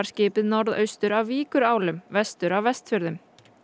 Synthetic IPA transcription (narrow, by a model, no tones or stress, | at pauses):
aɾ̥scɪːpɪðnɔɾðœ̰ɥst̪ʏɾavviːkʏɾaːwlʏmvɛst̪ʏɾavvɛst̪fʏɾðʏm